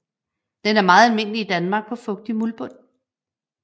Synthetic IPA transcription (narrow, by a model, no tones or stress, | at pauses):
d̥enæɐmɑ̈ːð̩ˠælme̝n̰liːd̥ænmɑ̈ːɡ̥̚pʰɒ̽fɔ̽ɡ̥̚d̥imulb̥ɔ̽n̰